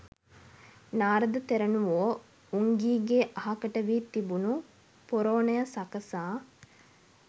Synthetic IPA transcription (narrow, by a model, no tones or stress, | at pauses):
naːɾɐd̪ɐt̪eɾɐnuʋoː | uŋɡiːɡeʔɐɦɐkɐʈɐʋiːt̪ibunu | poɾoːnɐjɐsɐkɐsaː